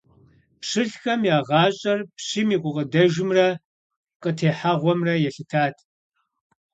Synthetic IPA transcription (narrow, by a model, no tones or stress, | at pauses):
pʂɨɬxɐmjaːʁɑːɕʼɐrpʂiːmiːqʷʼʊqʼədɐʒɪmrɐ | qətʰeːħaʁʷɔmrɐjɛɬɨtʰaːtʰʼ